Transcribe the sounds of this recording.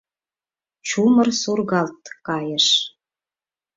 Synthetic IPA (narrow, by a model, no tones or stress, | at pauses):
t͡ɕumərsurɣɑlt̪kɑjəʃ